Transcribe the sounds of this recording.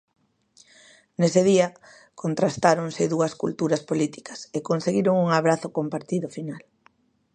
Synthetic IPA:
neseð̞iɐ | kont̪ɾast̪aɾoŋsɪðuɐskṵlt̪uɾɐspolit̪i̥kɐ̥sekonseɣiɾoŋuŋaβɾaθʊkompaɾt̪iðʊfinal

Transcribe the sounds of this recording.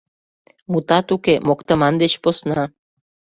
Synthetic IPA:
mut̪ɑt̪ukemokt̪əmɑnd̪et͡ɕposnɑ

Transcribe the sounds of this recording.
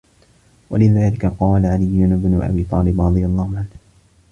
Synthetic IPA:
wa̰lɪðaːlɪkaqɑːlaʕalɪjːʊnbnʊʔa̰biːt̪ˤɑːlɪbɾˤɑd̪ˤɨjalˤːɑːhʊʕanh

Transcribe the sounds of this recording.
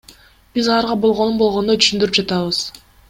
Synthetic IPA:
b̥izɑlˠɑɾʁɑbo̞lˠʁo̞nunbo̞lˠʁonot̪ʰy̥ʃynd̪yɾyp̚d͡ʒɑt̪ɑβɯz̥

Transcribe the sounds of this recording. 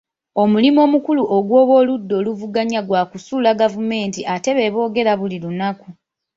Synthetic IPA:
o̞mulimo̞ːmukuluʔoɡwo̞ːβo̞ːludːo̞ːluvuɡaɲaɡwaːkusulaɡavume̞ːntiʔate̞βe̞ːβo̞ːɡe̞ɾaβulilunaku

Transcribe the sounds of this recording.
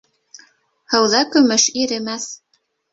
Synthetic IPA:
hɤ̆wðɑkɵ̆mɘʃiɾɘ̆mæθ

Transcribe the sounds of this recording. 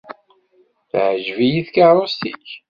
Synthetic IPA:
θʕʒvijiθkəɾˤost̪iç

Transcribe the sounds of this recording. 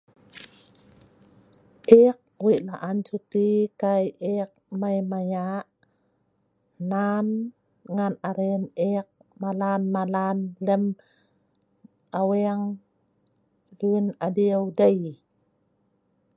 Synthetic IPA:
ʔeːk̚wilaʔantʰut̪ikajʔeːk̚majmajaʔ | naːn | ŋaːnʔaɾenʔeːk̚malaːnmalaːnlɛm | ʔawɛŋ | lɯnʔadiəwdaj

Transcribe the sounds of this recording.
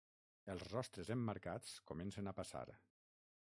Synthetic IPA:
əlˠzrɔst̪ɾəzemːaɾkat͡skomensənapasa̰ɾ

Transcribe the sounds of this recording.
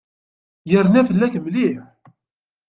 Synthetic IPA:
jəɾnæfəlːækmliħ

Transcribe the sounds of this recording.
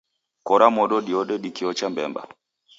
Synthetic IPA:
kɔɾamɔɗɔɗiɔɗɛɗikiɔt͡ʃambɛ̰mba̰

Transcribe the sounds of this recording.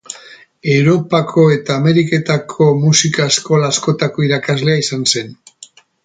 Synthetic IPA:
e̞wɾo̞pakʰo̞e̞t̪aːme̞ɾike̞t̪akʰo̞musikaesko̞laːsko̞t̪ako̞iɾakazle̞aisanse̞n

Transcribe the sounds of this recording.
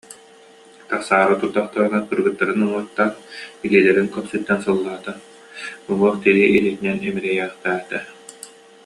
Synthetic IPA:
t̪aχsaːɾɯt̪uɾd̪ɔχt̪aɾɯnakɯɾɡɯt̪ːaɾɯnɯmuɔt̪ːanbiliːlɛɾiŋkœpsyt̪ːɛnsɯlˠːaːt̪a | ɔluɔχt̪iɾiʔilit̪inɛnɛmiɾɛjæːχt̪æːt̪ɛ

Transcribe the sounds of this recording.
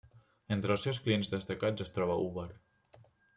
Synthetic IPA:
ent̪ɾəlˠsewsklienzðəst̪akad͡zəst̪ɾɔβaʔuβəɾ

